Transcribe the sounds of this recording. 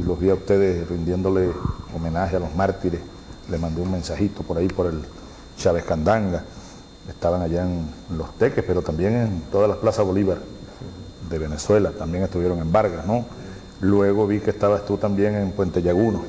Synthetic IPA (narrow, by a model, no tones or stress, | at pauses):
lo̞ɦβiaust̪e̞ðesrind̪je̞nd̪o̞leomẽ̞nahealosmaɾt̪iɾes | lehmãnd̪euŋmẽ̞nsahit̪opo̞ɾaipo̞ɾe̞l | t͡ʃaβehkand̪aŋɡa | est̪aβaŋaʝaenlo̞st̪e̞kehpe̞ɾo̞t̪ambje̞ŋent̪o̞ðalaplasaβo̞liβaɾ | d̪e̞βe̞neswe̞lat̪ambje̞ŋest̪uβjeɾo̞ŋe̞mbaɾɣasno | lwe̞ɣo̞βikeːst̪aβast̪ut̪ambje̞ŋempwe̞nt̪eʝaɣuno